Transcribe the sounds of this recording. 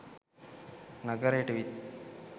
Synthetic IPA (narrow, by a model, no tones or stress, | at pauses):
nɐɡɐɾeːʈʋit̪